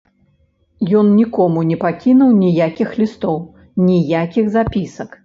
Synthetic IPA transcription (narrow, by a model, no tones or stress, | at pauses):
jɔnnʲikɔmunʲɛpakʲinuwnʲijakʲixlʲist̪ɔw | nʲijakʲiɣzapʲisɐk